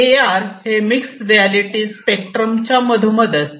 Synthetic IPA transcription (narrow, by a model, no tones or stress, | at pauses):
eaɾhemiksɾialiʈispekʈɾəmt͡ɕaməd̪ʱuməd̪əs